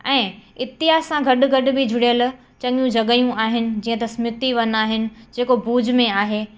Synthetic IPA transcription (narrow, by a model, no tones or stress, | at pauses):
ɛ̃ːɪt̪ɪɦaːsãɡʱɐɗʊɡʱɐɗʊ̆bɪd͡ʑʱʊɽijəl | t͡ɕɐ̃ŋijũd͡ʑʱɐɠəjũaːɦɪnɪ̆d͡ʑiːə̃t̪ɐsmʊt̪iʋɐnaːɦɪnɪ̆d͡ʑeːkobuːd͡ʑmẽaːɦeː